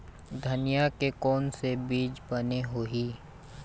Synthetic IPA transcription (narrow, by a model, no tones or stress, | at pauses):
d̪ʱɐnijakekɔːnsebiːd͡ʒbəneɦoːɦiː